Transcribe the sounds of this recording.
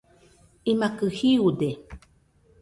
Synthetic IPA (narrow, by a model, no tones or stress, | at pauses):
imakɨhiud̪e